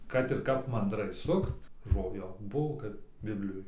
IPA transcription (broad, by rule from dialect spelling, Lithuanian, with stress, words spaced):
kɐt ɪr ˈkɐp mɐndˈrɐɪ ˈsʊkt ˈʒoː ˈjoː ˈbʊʋoː kɐt ˈbʲɪbʲlʲɪjoːj